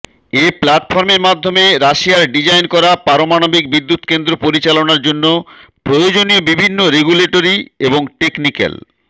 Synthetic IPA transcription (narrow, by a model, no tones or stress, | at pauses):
eplaʈfʰɔɾmeɾmad̪ʱːomeɾaʃijaɾɖid͡ʑajnkɔɾapaɾomanobik̚bid̪ːut̪kend̪ɾopoɾit͡ɕalonaɾd͡ʑonːopɾojod͡ʑoniobibʱinːoɾeɡuleʈoɾieboŋʈeknikḛl